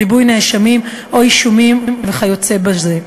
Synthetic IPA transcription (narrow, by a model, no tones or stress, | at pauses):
ibujneʃamim | ʔo̞iʃumimmveχajot͡sebaze